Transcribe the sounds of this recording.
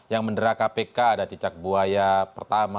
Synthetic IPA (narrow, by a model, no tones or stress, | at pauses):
jaŋməndəɾakapekaːdat͡ʃət͡ʃak̚buajapərt̪ama